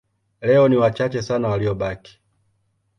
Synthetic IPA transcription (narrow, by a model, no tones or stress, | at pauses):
lɛɔniwat͡ʃat͡ʃɛsanawaliɔɓaki̥